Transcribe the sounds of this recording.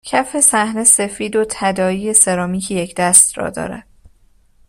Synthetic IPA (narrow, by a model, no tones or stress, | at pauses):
cʰæfe̞sæhne̞se̞fiːd̪ot̪ʰæd̪ɒːiːje̞seɾɒːmiːcʰijecʰd̪æst̪rɒ̰ːd̪ɒ̰ːɾæ̰d̪̥̚